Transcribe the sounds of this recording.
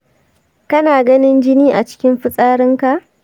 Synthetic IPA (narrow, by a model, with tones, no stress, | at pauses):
kɐ˦naː˨ɡɐ˦nɪ˦nd͡ʒɪ˦niː˦ʔa˨t͡ʃɪ̥˦kʲɪ˦mɸɪ˦sʼaː˦ɾɪ˦ŋka˨ʔ